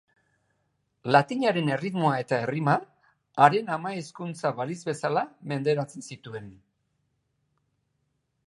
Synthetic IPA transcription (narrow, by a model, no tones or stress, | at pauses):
lat̪iɲaɾe̞ne̞rit̪mo̞ae̞t̪ae̞rimaː | ɾe̞namaeskunt͡saβaɾizβe̞salame̞nd̪e̞ɾat͡sensit̪ue̞n